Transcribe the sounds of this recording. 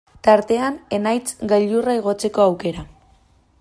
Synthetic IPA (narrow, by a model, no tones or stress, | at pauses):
t̪aɾt̪e̞ane̞najt͡sɡaʎuraeɣ̞o̞t͡se̞ko̞awke̞ɾa